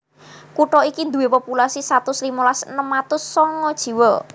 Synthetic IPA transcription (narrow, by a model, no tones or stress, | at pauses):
kuʈɔikind̪uwepopulasisat̪ʊsliməlasnəmat̪ʊsːɔŋɔd̥ʒ̥i̤wɔ